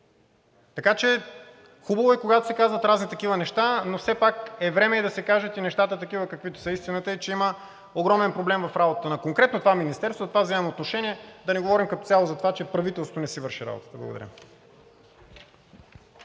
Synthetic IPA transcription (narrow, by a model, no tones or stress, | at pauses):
t̪ɐkat͡ʃɛ | xubəvoɛkoɡat̪o̥sɛkazvət̪ɾaznit̪ɐkivənɛʃt̪anofsɛpakɛvɾɛmɛɛd̪ɐsɛkaʒet̪inɛʃt̪at̪ət̪ɐkivəkəkvit̪o̥səist̪inət̪əit͡ʃɛimə | oɡɾɔmɛnpɾoblɛmvɐfɾabot̪ət̪ənɐkoŋkɾɛt̪not̪ovaminist̪ɛɾst̪vozt̪ovavzɛmɛmoːt̪noʃɛniɛd̪ɐnɛɡovɔɾimkɐt̪o̥t̪ʲalˠozɐt̪ovat͡ʃɛpɾɐvit̪ɛlˠst̪vonɛsivəɾʃiɾa̰bo̰t̪ə̥t̪əblˠɐ̰ɡod̪ɐ̰ɾʲjə̰